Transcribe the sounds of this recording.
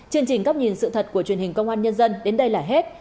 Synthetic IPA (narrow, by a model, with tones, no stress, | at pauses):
t͡ɕɨ˧əŋt͡ɕï˨˩ŋ̟kaː˦˥p̚ɲi˨˩nsɨ̰˧˨t̪ʰə˨˩t̚ku˧˩ət͡ɕwi˨˩ənhï˨˩ŋkə˧wŋ͡mʔaː˧nɲə˧nzə˧nɗe˨˦nɗə˧jlaː˨˩ɦe˦˥t̚